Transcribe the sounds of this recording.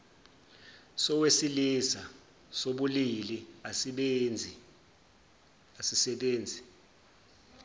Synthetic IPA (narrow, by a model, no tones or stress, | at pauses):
sɔwesilisa | soɓuliliaɓnd͡zʱi | asisɛɓeːnd͡zʱi